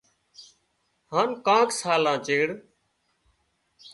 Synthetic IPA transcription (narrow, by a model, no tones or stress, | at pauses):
ɦaːnkãːksaːlãːt͡ʃeːɽ